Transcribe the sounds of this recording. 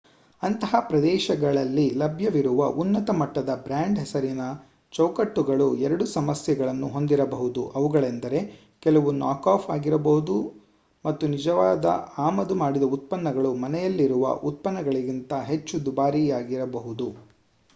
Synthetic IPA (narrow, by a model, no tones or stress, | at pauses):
ɐnt̪ɐɦɐpɾɐd̪ɛːʃɐɡɐɭɐlːilɐbʱjɐʋiɾuʋɐʔunːɐt̪ɐmɐʈːɐd̪ɐbɾaːɳɖɦɛsɐɾinɐ | t͡ʃɐwkɐʈːuɡɐɭuɛɾɐɽusɐmɐsjɐɡɐɭɐnːuɦo̞nd̪iɾɐbɐɦud̪uʔɐʋuɡɐɭend̪ɐɾe̞ | kɛlɐʋunaːkaːpʰaːɡiɾɐbɐɦud̪u | mɐt̪ːunid͡ʒɐʋaːd̪ɐ̰aːmɐd̪umaːɽid̪ɐut̪̚pɐnːɐɡɐɭumɐnɛjɐlːiɾuʋɐ̰ʔut̪̚pɐnːɐɡɐɭiɡint̪ɐɦe̞t͡ʃːud̪ubaːɾijaːɡiɾɐbɐɦud̪u